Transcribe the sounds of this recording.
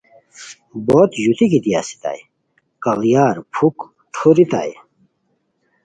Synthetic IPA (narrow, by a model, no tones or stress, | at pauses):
bot̪jut̪ʰikit̪ijaːsi̥t̪a̰j | kɐljaːɾpʰuk | ʈʰoɾit̪a̰j